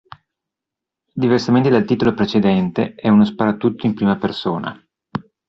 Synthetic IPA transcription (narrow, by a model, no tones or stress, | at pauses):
d̪iversament̪ed̪alt̪iːt̪olopɾet͡ʃed̪ɛnt̪eɛunospaɾat̪ːut̪ːoimpɾiːmapersoːna̰